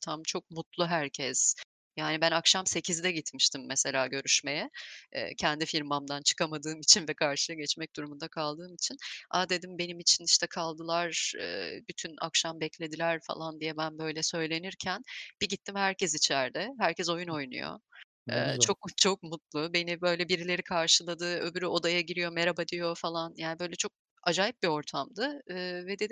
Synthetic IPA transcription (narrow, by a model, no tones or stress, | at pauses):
t̪ʰamt͡ʃʰo̞k̚mut̪lˠuɦæɾcʰɛz̥ | jaːnibænakʃamse̞cʰizd̪ɛɟit̪miʃt̪ʰimːɛse̞lʲaːɟø̞ɾyʃme̞jɛ̰ːcʰɛnd̪ifiɾmamd̪ant͡ʃʰɯ̥kamad̪ɯːmit͡ʃʰinvɛkʰaɾʃɯjˠaɟɛt͡ʃmɛc̚d̪uɾumund̪akʰalˠd̪ɯːmit͡ʃʰina̰d̪e̞d̪imbe̞nimit͡ʃʰiniʃt̪ɛkʰalˠd̪ɯlˠaɾɯ̰ːbyt̪ʰyna̰kʃambɛclʲe̞d̪ilʲæɾfa̰lˠand̪ijɛbænbø̞jlʲɛsø̞jlʲe̞niɾcʰænb̥iɟit̪ʰːimhæɾcɛsit͡ʃʰæɾd̪ɛɦæɾcɛzo̞juno̞jnṵjo̰ | ɯ̰t͡ʃʰo̞k̚t͡ʃʰo̞k̚mut̪lˠube̞nibø̞jlʲɛbiɾilʲe̞ɾikʰaɾʃɯlˠad̪ɯːøbyɾyo̞d̪ajaɟiɾijo̞meɾabad̪ijo̞falˠanjaːnibø̞jlʲɛt͡ʃʰo̞k̚ | ad͡ʒaːjip̚bio̞ɾt̪ʰamd̪ɯːvɛd̪e̞d̪i